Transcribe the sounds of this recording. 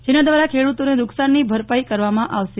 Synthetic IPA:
d͡ʒenad̪ʋaɾakʰeɽut̪oned̪ʊksanːibʱəɾpaikəɾʋamãʔaʋʃe

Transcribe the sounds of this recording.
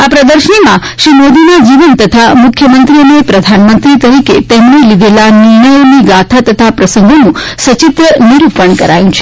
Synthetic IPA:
apɾəd̪əɾʃəɳ̃imã | ʃɾimod̪inad͡ʒiʋənt̪ət̪ʰamʊkʰjəmənt̪ɾiənepɾəd̪ʱanmənt̪ɾit̪əɾiket̪emnelid̪ʱelaniɾɳəjoniɡat̪ʰat̪ət̪ʰapɾəsəŋɡʱonũsət͡ʃit̪ɾəniɾupəɳkəɾa̰jũt͡ʃʰe

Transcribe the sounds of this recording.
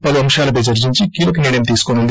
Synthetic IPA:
pɐluɐmʃaːlɐp̬ɐjd͡ʒɐɾd͡ʒiɲt͡ʃikiːlokiniːɽɐmt̪iːsu̥konund̪

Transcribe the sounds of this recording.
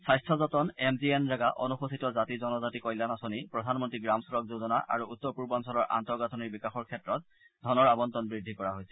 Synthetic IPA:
sajstʰɔzɔtɔnɛmzienɹaɡaʔɔ̰nuxosʰitɔzatizɔnɔzatikɔjlanasonipɹɔdʱanmɔntɹiɡɹamsuɹɔk̚zozɔnaʔa̰ɹuutːɔɹpuɹbɔnsɔlɔɹʔa̰ntɔɹɡatʰɔniɹbikaxɔɹkʰɛtɹɔt̚ | dʱɔnɔɹabɔntɔnbɹidʱikɔɹaɦojsɛ̥

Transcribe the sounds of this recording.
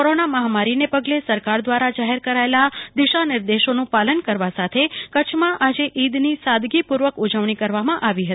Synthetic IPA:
koɾonaməɦamaɾinepəɡlesəɾkaɾd̪ʋaɾad͡ʒaɦeɾkəɾaelad̪ɪʃanɪɾd̪eʃonũpalənkəɾʋasat̪ʰekət͡ʃʰmãʔad͡ʒeʔid̪nisad̪ɡipuɾʋəkud͡ʒəʋɳ̃ikəɾʋamãʔaʋiɦət̪ii

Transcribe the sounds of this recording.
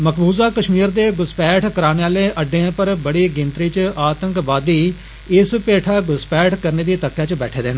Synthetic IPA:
məkʰbuːzaːkəʃmiːɾd̪eːɡʊspɛːʈʰkəɾaːneaːleːʔəɖːeãːpəɾbəɽiːɡɪ̃nt̪ɾiːt͡ʃaːt̪ə̃ŋkbaːd̪iː | ɪspeːʈʰaːɡʊspɛːʈʰkəɾneːd̪iːt̪əkːjaːt͡ʃbɛ̰ːʈʰeːd̪eːnː

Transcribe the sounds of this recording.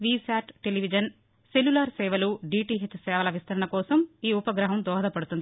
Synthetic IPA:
ʋiːsaːʈʈeliʋid͡ʒɐn | selːulaːɾsɛːʋɐluɖiːʈiɦet͡ʃːsɛːʋɐlɐʋist̪ʰɐɾɐɳɐkɔːsɐmiːupɐɡɾɐɦɐmd̪ɔːɦɐd̪ɐpɐɽut̪und̪i

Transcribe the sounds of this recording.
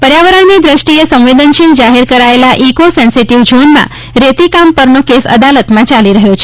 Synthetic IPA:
pəɾjaʋəɾanid̪ɾəʃʈiesə̃ʋʋed̪ənʃind͡ʒaɦeɾkəɾaelaʔikosɛnsiʈiʋd͡ʒonmã̰ | ɾet̪ikampəɾnokesə̰d̪alət̪mãt͡ʃaliɾəɦjot͡ʃʰe

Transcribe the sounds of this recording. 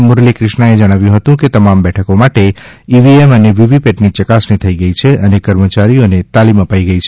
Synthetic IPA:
mʊɾlekɾɪʃnaed͡ʒəɽ̃aʋjũɦət̪ũket̪əmambɛʈʰəkomaʈe | iʋieməneʋiʋipeʈnit͡ʃəkasnit̪ʰəiɡəit͡ʃʰeʔənekəɾmət͡ʃaɾionet̪aliməpaiɡəit͡ʃʰe

